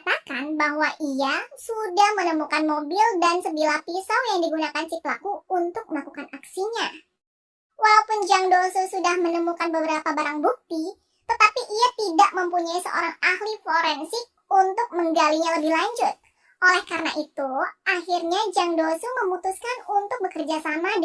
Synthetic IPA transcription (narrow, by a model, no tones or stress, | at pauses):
t̪akanbaɦwaʔiasudahmənəmukanmobɪldansəbilahpisawjaŋdiɡunakant͡ʃit̪̚lakuunt̪ʊk̚məlakukanaksiɲa | walaupʊnd͡ʒaŋdosusudahmənəmukanbəbəɾapabaɾaŋbuk̚t̪i | t̪ət̪apiʔiat̪idaʔməmpuɲaisə̰ʔo̰ɾaŋahlifoɾɛnsɪk̚unt̪ʊk̚məŋɡaliɲaləbɪhlaɲd͡ʒʊt̪̚ | ʔolɛhkaɾəna̰ʔit̪uahirɲad͡ʒaŋdosuməmut̪uskanunt̪ʊk̚bəkərd͡ʒasamad